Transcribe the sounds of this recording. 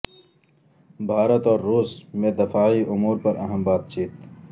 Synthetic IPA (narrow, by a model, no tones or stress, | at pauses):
bʱaːɾɐt̪ɔːɾːuːsmẽːd̪ɪfaːiʔʊmuːɾpɐɾʔɐ̰ɦɐmbaːt̪̚t͡ʃiːt̪